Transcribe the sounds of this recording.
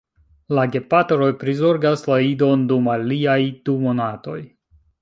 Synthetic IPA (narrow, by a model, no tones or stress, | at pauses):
laɡe̞patɾo̞jpɾizo̞ɾɡaslaido̞ndumaliajd̥umo̞nato̞j